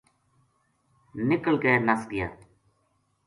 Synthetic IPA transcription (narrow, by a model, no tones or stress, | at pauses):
nɪkəɭkeːnəsɡɪja̰ː